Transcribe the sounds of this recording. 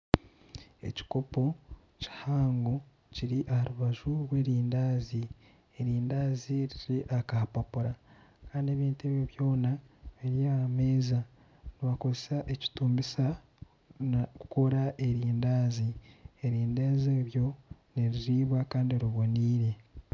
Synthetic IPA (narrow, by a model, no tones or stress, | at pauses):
e̞̰ci̥ko̞po̞ | ci̥haːŋɡo | ciɾiʔahaɾuβaʒuɾwe̞ːɾiːndaːzi | eɾiːndaːziɾiɾiʔakahapapuɾakaːndie̞βiːntue̞βjoβjo̞ːnaβiɾjameːza | niβako̞zesaʔeci̥tuːmbisa | kuko̞ɾaʔe̞ɾiːndaːzieɾiːndaːzeːβjo̞neɾiɾiβwakaːndioɾiβoniːɾe̞